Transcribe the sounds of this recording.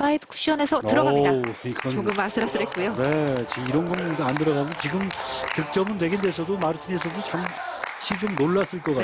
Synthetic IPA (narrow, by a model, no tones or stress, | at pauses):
aibʰkʰu̥ɕ͈iʌne̞sʰʌtɯɾʌɡamidaik͈ʰanoɡɯmas͈ʰɯɾas͈ɯɾɦet̚k͈ujone̞t͡ɕiiɾʌnɡʌnandɯɾʌɡamjʌnt͡ɕiɡɯmtɯk̚t͡ɕ͈ʌmɯndwe̞ɡendesʰʌdomaɾɯtʰɯnesʰʌdot͡ɕam | ɕʰit͡ɕomnoɭːas͈ɯɭk͈ʌk͈a